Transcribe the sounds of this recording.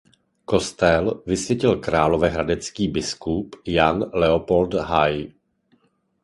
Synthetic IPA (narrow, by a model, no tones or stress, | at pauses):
ko̞st̪ɛlvɪsvjɛcɪlkɾaːlo̞vɛɦɾadɛt͡skiːbɪskupjanlɛopo̞lt̪ɦaj